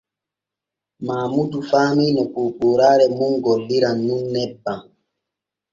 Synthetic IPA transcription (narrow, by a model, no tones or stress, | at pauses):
maːmudufaminɛkupuɾaɾɛmuŋɡɔliɾanːunːɛba